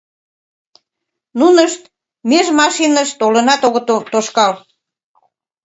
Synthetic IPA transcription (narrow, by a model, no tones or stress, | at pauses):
nunəʃt̪ | meʒmɑʃinəʃt̪olə̆nɑt̪oɣət̪ot̪oʃkɑl